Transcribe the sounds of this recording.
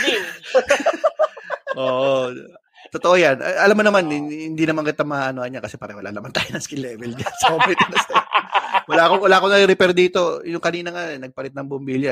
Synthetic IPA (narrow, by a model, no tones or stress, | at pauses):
ʔoːʔo | t̪ot̪oʔojanʔɐ̰ʔɐlamːonɐmanɪhɪnd̪inɐmaŋkɪt̪amɐaʔɐnoʔɐɲːakɐsɛpaːɾɐwɐla̰nɐmant̪aːjonɐŋskɪlɛːvɛlɲɐsɐomɛt̪ɐnɐs | wɐlaʔkowɐlaːʔkonɐɾɪɾɪpɛɾd̪iːt̪o̞jʊŋkɐniːnɐŋanɛnɐɡ̚pɐɾɪt̪̚nɐŋbʊmbiljɐ